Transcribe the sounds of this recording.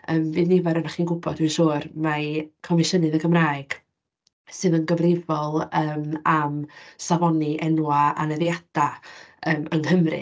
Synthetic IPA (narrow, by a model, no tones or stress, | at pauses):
əːmvɨːðnivaɾənaχiːnɡʊbɔduʃuːrmakʰɔmɪʃənɨðəɡəmraːɨɡ̥ | sɨðənɡəvrɪvɔlˠəːmamsavɔniʔɛnwaa̰nɛðjad̥aəːməŋhəmrɨ̰